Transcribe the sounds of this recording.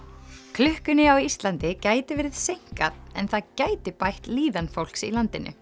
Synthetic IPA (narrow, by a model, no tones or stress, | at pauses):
kʰlʏhkʏnɪawist̪lant̪ɪcaːjt̪ɪvɪɾɪðsejŋ̥kaðɛ̰nθaðcaːjt̪ɪpajht̪liːðanfowl̥ksilant̪ɪnʔʏ̰